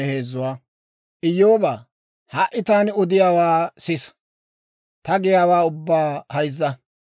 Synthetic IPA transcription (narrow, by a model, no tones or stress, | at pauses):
heːzːʊwaː | ʔɪjːoːbaː | hɐʔɪt̪aːnɔd̪ɪjaːwaːsɪs | t̪ɐɡɪjaːwaːʊbːaːhɐjzːɐ